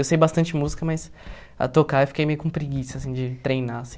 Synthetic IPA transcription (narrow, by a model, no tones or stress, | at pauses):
ewsejbast̪ɐ̃nt͡ʃɪmuzikɐmɐjs | a̰t̪okaewfi̥kejmejʊkũpɾiɡisɐasĩd͡ʒɪt̪ɾejnaasĩ